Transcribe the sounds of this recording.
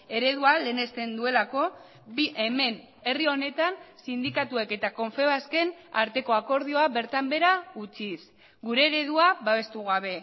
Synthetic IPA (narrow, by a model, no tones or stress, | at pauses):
e̞ɾe̞ðuale̞ːne̞st̪e̞nd̪ue̞lako̞ | biʔeme̞n | e̞rio̞ne̞t̪ansind̪ikat̪ue̞ke̞t̪ako̞ɱfeβaske̞na̰ɾt̪e̞ko̞ako̞ɾð̞io̞aβe̞ɾt̪ambe̞ɾaut͡sis | ɡuɾe̞ːɾe̞ðuaβaβe̞st̪uɣaβ̞e̞